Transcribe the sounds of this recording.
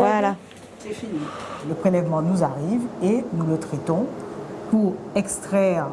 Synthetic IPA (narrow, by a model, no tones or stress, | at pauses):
ala | sɛfiniləpχelɛvmɑ̃nuzaʁivenulət̪χɛt̪ɔ̃puʁɛkst̪χɛʁ